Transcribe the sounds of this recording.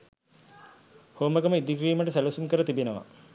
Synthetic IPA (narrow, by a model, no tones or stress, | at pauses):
hoːməɡəməid̪ikriːməʈəsælɐsumkəɾət̪ibenəʋa̰